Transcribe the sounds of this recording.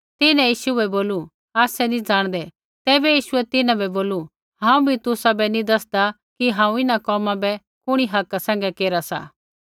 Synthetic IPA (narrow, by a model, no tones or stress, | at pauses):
t̪ɪnɛ̃jiːʃuɛboːlu | aːsɛnĩd͡zaːɽ̃d̪ɛ | t̪ɛːbɛjiːʃʊɛt̪ɪnãbɛboːlu | ɦãːũbʱit̪ʊsabɛnĩd̪ɐsd̪a | kiɦãːũɪnakɔːmãbɛ | kʊɽ̃iɦɐkasɛ̃ːŋɡɛkeːɾasa̰ː